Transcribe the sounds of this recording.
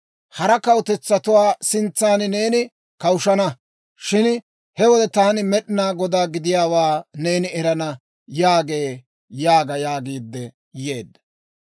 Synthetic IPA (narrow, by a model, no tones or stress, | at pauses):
hɐɾɐkɐwʊt̪ɛt͡sːɐt̪ʊwaːsɪnt͡sːaːnɪne̞ːnɪ | kɐwʊʃɐnɐ | ʃɪn | hɛwɔd̪ɛt̪aːnɪmɛɗɪnaːɡɔd̪aːɡɪd̪ɪjaːwaːne̞ːnɪɛɾɐnɐ | jaːɡe̞ː | jaːɡɐjaːɡiːd̪ːɛ | jeːd̪ːɐ̥